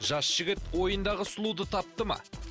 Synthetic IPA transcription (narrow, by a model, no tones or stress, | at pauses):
ʒɑsʒ̥ɪɡʲɪt̪wo̞jənd̪ɑʁəsʊlˠud̪ət̪ʰɑp̚t̪əmɑ̰